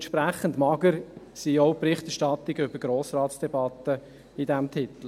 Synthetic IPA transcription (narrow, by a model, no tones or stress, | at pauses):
nʃpɾæχən̩tmɑɡəɾ | siːɔʊpɾɪχtɛʃtɑt̪ːɪɡəʏbəɾɡɾoːsrɑːtsd̥ɛbɑt̪ə | idɛmt̪ʰɪt̪l̩